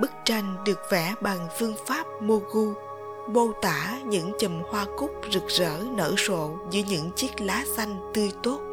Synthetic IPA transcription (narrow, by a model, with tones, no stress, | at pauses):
ɓɨ˦˥k̚t͡ɕa˧jŋ̟ɗɨ˨˩ək̚vɛ˧˩˦ɓa˨˩ŋfɨ˧əŋfaː˦˥p̚mo˧ɣu˧ | ɓo˧wt̪aː˧˩˦ɲɨ̰˧˥ŋt͡ɕə˨˩mhwaː˧kʊ˦˥k͡p̚zɨ˨˩k̚zə̰ː˧˥nə̰ː˧˩so̰˧˨zɨ̰˧˥əɲɨ̰˧˥ŋt͡ɕi˦˥ək̚laː˨˦sa˧jŋ̟t̪ɨ˧əjt̪o˦˥t̚